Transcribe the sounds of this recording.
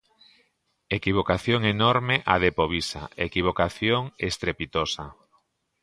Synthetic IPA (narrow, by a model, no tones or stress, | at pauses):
ekiβ̞okaθjoŋenoɾmeʔaðepoβisa̰ekiβ̞okaθjoŋest̪ɾepit̪osa